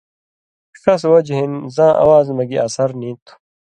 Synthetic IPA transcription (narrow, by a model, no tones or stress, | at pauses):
kɐswɐd͡ʑɦinzãːʔɐ̰waːzmɐɡiʔɐsɐɾnĩːt̪u̥